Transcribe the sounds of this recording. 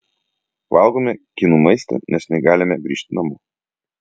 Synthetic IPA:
valˠɡomʲɛkʲinumɐɪsʲt̪ʲɛ̰nʲɛsnʲɛɡalʲɪmʲɛɡɾʲiʃt̪ʲnɐmu

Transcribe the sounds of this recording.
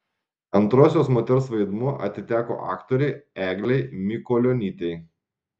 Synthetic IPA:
ɐnˑt̪ɾoːsʲoːsmoːt̪ʲɛɾsʋɐɪd̪muɔʔɐ̰t̪ʲɪt̪ʲæːko̰ːʔɑ̰ːkt̪ɔɾʲɛɪæːɡlʲɛɪmʲɪkɔlʲoːnʲiːt̪ʲɛɪ

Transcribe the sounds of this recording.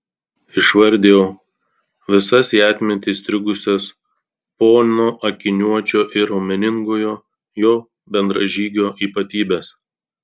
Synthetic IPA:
ɪʃʋɐɾʲˑd̪ʲeːjoː | ʋʲɪsɐsiæːt̪ʲmʲɛnt̪ʲɪst̪ʲɾʲʊɡʊsʲɛs | poːnnoːʔɐkʲɪnʲuɔt͡ʃʲoːʔɪɾoːmʲɛnʲɪŋɡojoː | joː | bʲɛnd̪ɾɐ̰ʒʲiːɡʲoːʔiːpɐt̪ʲiːbʲɛs

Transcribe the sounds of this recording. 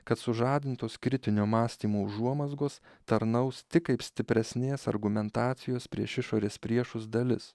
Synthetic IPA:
kɐt̪sʊʒɑːd̪ʲɪnt̪oːskɾʲɪt̪ʲɪnʲoːmɑːsʲt̪ʲiːmoːʊʒuɔmɐzɡoːst̪ɐɾnɐʊst̪ʲɪkɐɪpsʲt̪ʲɪpʲɾʲɛsʲnʲeːsɐ̰ɾɡʊmʲɛnt̪ɑːt̪sʲɪjoːspʲɾʲiɛʃɪʃoːɾʲeːspʲɾʲiɛʃʊsd̪ɐlʲɪs

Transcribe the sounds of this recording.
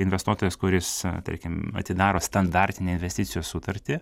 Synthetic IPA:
ɪnʲʋʲɛst̪uɔt̪oːjɛskʊɾʲɪst̪ɐ̰ɾʲkʲɪmɐ̰t̪ʲɪd̪ɑːɾoːst̪ɐnd̪ɑɾʲt̪ʲɪnʲeːɪnʲʋʲɛsʲt̪ʲɪt̪sʲɪjoːssʊt̪ɐɾʲt̪ʲɪ

